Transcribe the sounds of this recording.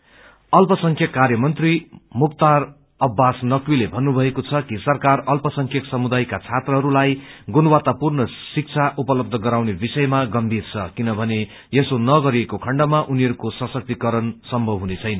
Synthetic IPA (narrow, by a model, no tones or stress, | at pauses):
ʌlpʌsʌŋkʰjʌkːarjʌmʌnt̪rimukt̪ar | ʌbːasnʌkwilebʱʌnːubʱʌekot͡sʰʌkisʌrkarʌlpʌsʌŋkʰjʌksʌmud̪ajkat͡sʰat̪rʌɦʌɾulajɡunwat̪apurnʌsik̚t͡sʰaʔupʌlʌb̚d̪ʱʌɡʌɾawnebisʌjmaɡʌmbʱirt͡sʰʌkinʌbʱʌne | jesonʌɡʌɾiekokʰʌɳɖʌmaʔuniʌɾukosʌsʌk̚t̪ikʌɾʌnsʌmbʱʌbɦunet͡sʰʌjnʌ